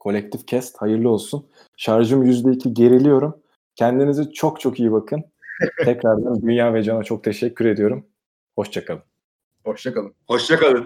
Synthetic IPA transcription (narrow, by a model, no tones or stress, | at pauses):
kʰo̞lʲɛc̚t̪ʰifcʰɛst̪hajɯɾlˠɯo̞lˠsun | ʃaɾʒɯmjyzd̪ɛicʰiɟe̞ɾilʲijo̞ɾum | cʰɛnd̪inizit͡ʃʰo̞kt͡ʃʰo̞kijibakʰɯn | t̪ʰɛcɾaɾd̪and̪ynjaːvɛd͡ʒanat͡ʃʰo̞k̚t̪ʰeʃɛcʲʰːyɾe̞d̪ijo̞ɾum | ho̞ʃt͡ʃʰakʰalˠɯm | hoʃt͡ʃakalˠɯho̞ʃt͡ʃakalˠɯn